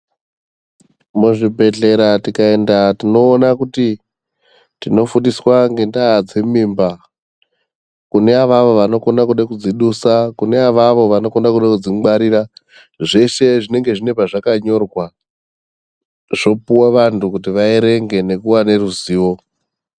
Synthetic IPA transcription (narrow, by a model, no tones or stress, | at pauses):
muʐibʱe̞ɮe̞ɾatikae̞ndatino̞ːnakuti | tino̞fundiswaŋɡe̞ndaːd͡ze̞mimba | kune̞aʋaʋo̞ʋano̞ko̞nakuɗekud͡ziɗusakune̞aʋaʋo̞ʋano̞ko̞nakuɗakud͡ziɡ͡baɾiɾa | ʐe̞ʃe̞ʐine̞ŋɡe̞ʐine̞paʐakaɲo̞rwa | ʐ̥o̞puwaʋantukutiʋaeɾe̞ŋɡe̞ne̞kuwane̞ruziːwo̞